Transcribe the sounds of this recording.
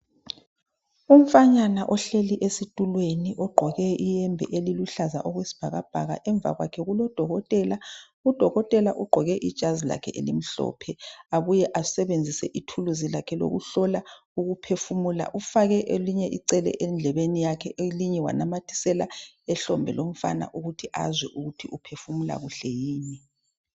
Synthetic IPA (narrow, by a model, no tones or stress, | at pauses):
um̩faɲanaʔɔɬeliʔesitʼulweniʔɔɡ͡ǃʱɔɣɛijɛmbʱɛ̰ʔeliluɬaza̰ʔɔɣwesi̥b̥ʱaɣab̥ʱa̰ɣa̰ʔɛɱbvʱa̰ɣwa̰kʰɛɣulɔd̥ʱɔɣɔtʼɛla | ud̥ʱɔɣɔtʼɛlaʔuɡ͡ǃʱɔɣɛʔḭd̥ʒ̥ʱazila̰kʰɛ̰ʔḛlim̩ɬɔ̰ːpʰɛaβujɛʔasɛβend͡zʱisɛʔitʰuluzilakʰɛlo̰ɣṵɬɔla | uɣupʰefumula̰ʔufaɣɛʔeliɲɛʔiǀɛlɛ̰ʔend͡ɮʱɛβenijakʰɛʔeliɲɛwa̰namatʰi̥sɛla | ɛɬɔmbʱɛ̰lom̩fa̰na̰ʔuɣutʰiʔa̰zwɛʔuɣutʰiʔupʰefumula̰ɣuɬɛjiːni